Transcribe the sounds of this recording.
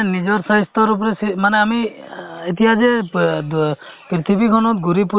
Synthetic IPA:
nid͡ʒɔɾsajst̪ɔɾup̬ɔɾesimaneamiet̪ijad͡ʒe | pɾit̪ʰibʱikʰɔnɔt̪̚ɡuɾipu

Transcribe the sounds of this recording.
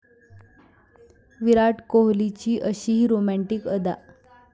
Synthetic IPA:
ʋiɾaʈkoɦlit͡ɕiːʔəɕiːɦiːɾomæɳʈikəd̪a̰

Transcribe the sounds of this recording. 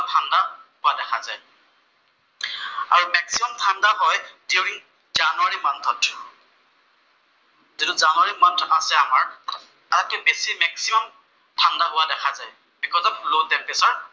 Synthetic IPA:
tʰandahʊadɛkʰazaj | a̰ɹumɛksimɔmtʰandaɦɔjdjuɹiŋ | zanuaɹimantʰɔt | zituzanuwaɹimatʰasɛamaɹ | aat̚kɛbesimɛksimɔm | tʰandaɦʊwadɛkʰazaj | bikʰɔtɔp̚lodɛnpesaɹ

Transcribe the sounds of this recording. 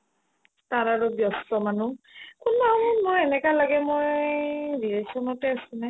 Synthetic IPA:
taɹaɹʊbjɔstɔmanukʊnmaɔmɔmojɛnɛkalaɡɛmoj | ɹiesɔnɔtɛasʊ̃nɛ

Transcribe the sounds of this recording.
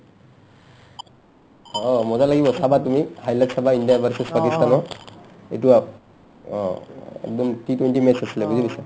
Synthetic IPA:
ɔmɔzalaɡibɔsabatumihajlaksabaindiabʱaɾsespakist̪anɔ | ḛjtua | ɛ̰k̚dɔmtʰitwenʈimɛsasilabuzilisa

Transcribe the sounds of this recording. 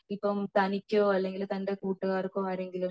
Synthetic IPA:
ɪpːomt̪ɐnɪkʲːʊ̃ɐlːɛŋɡɪlɐt̪ɐɳɖɐkuːʈːɯaːɪɾɯkːʊ̃ɐɾeŋɡɪlɐ

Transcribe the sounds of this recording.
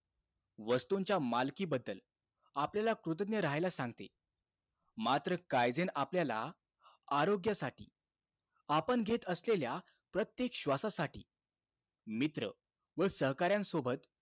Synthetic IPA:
ʋəst̪uɲt͡ɕjamalkiːbəd̪ːəl | apljalakɾut̪̬ənjəɾaɦajlasãŋɡ̚t̪e | mat̪ɾəkajd͡zenapljala̰ | aɾoɡjəsaʈḭː | apəɳɡʱet̪əslelja | pɾət̪jekɕʋasasaʈḭː | mit̪ɾə̰ | ʋəsəɦkaɾjãnsobʱət̪

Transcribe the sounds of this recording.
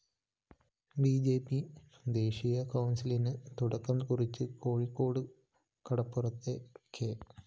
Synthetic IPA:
biːd͡ʑe̞ːpːi | d̪e̞ːɕijɐkɐwnsilinɨt̪uɽɐkːɐmkurit͡ɕːɨko̞ːɻikːo̞ːɽɨ | kɐɽɐpːurɐt̪ːekʰe

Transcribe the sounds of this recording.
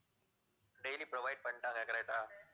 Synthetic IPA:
ɖejliːpɾoʋaɪɖ̚pə̃ɳʈãːŋɛkɾajʈaː

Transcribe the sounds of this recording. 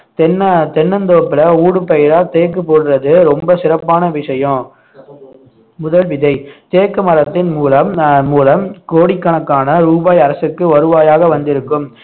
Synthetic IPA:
t̪ɛnːɐt̪ɛnːɐnd̪oːpːɪlɐuːɽɯpːɐjɪɾaːt̪eːkːɯpːoːɽɯɾɐðɯɾɔmbɐsɪɾɐpːaːnɐʋɪʂɐjɐ̃ | mʊðɐlʋɪðɐɪt̪eːkːɯmɐɾɐt̪ːɪnmuːlɐmːuːlɐmkoːɽɪkːɐɳɐkːaːnɐɾuːbaːjɐɾɐsɯkːɯʋɐɾɯʋaːjaːɣɐʋɐnd̪ɪɾɯkːɯm

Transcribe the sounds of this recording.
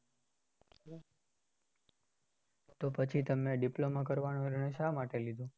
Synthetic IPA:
t̪opət͡ʃʰit̪əmneɖiplomak̬əɾʋanoiɾɳəjʃamaʈelid̪ʱũ

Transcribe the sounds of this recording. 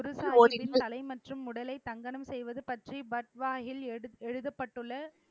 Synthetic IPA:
ʊɾɯsaːoɾɪnɐlɐɪmɐʈrɯmːʊɽɐlɐɪt̪ːɐŋɡɐɳɐmsɛjʋɐðɯpɐʈribɐʈ̚ʋaːɣɪlɛɻɯðɐpːɐʈːɯɭːɐ

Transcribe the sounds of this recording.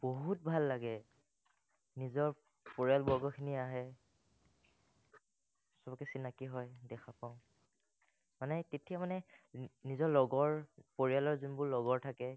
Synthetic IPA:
b̥oɦut̚bʱalːaɡɛ | nizɔɹ | poɹialbɔɹɡɔkʰiniaɦɛ | sɔbɔkɛsinakiɦɔjdɛkʰapaʊ̃ | manɛtetijamanɛnizɔlɔɡɔɹpoɹijalɔɹzunbʊɹlɔɡɔɹtʰakɛ

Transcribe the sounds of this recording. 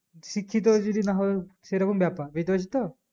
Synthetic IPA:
sikʰːit̪̬ɔd͡ʒud̪inaɦɔseɾakumbjapabit̪sit̪ɔ

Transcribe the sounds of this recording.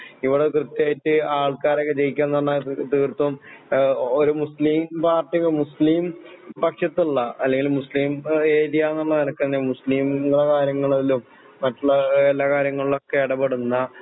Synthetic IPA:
iʋiɽekrɨt̪jaːjitːɨaːɭkaːɾokːet͡ɕejikʲːaːnːɐɳːɐt̪iːrt̪ːɐm | oɾumusliːmpaːrʈːiɣɐɭmusliːmpɐkʂɐt̪ːuɭːɐɐlːe̞ŋɡilumusliːmeːðijaːnːɐɭːɐnɐnɐkːɨt̪ːinːemusliːmːɐɭɐkaːɾjɐŋːɐɭɐilumː | ɐtːuɭːɐelːaːkaːɾjɐŋːɐɭiɭo̞kːeiɽɐbeɽunːɐ

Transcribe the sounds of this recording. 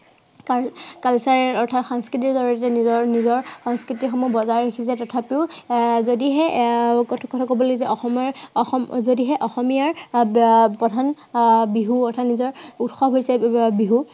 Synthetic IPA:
kakalsaɹɛɔɹtʰatxaŋskɹitiɹzɔɹɔɛtɛnizɔɹnizɔɹxɔŋskɹitixɔmɔbɔzaɹikʰisɛtɔtʰapeʊzodiɦɛɔkɔtʰakobɔloɡzɛʔɔxɔmaɹxɔmzodiɦɛʔɔxɔmijaɹ | pɹɔdʱan | biɦuɔɹtʰatnizɔɹutxɔɦojsɛbiɦu

